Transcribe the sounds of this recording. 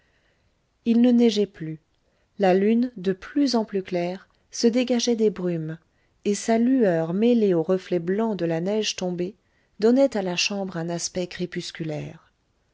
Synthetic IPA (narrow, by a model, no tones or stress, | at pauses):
ilnənɛʒɛply | lalynd̪əplyzɑ̃plyklɛːʁ | səd̪eɡaʒɛd̪ebʁym | esalyœʁmeleoʁəflɛblɑ̃d̪əlanɛʒt̪ɔ̃be | d̪ɔnɛt̪alaʃɑ̃bʁɛ̃naspɛkχepyskʲylɛːʁ